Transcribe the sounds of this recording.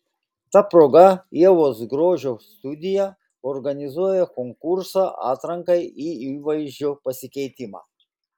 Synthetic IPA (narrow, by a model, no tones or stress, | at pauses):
t̪apɾɔɡaiɛʋɔzɡɾoːʒɔst̪ud̪ʲija | ɔɾɡanʲizujɛkɔŋkuɾsaʔa̰t̪ɾaŋkɐjiiʋajʒɔpɐsʲikɛjt̪ʲima̰